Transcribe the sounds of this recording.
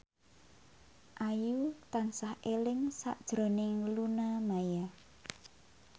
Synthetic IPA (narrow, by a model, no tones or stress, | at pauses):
ʔajut̪ansahelɪŋsa̰ʔd̥ʒ̥ɾo̤nɪŋlunamaja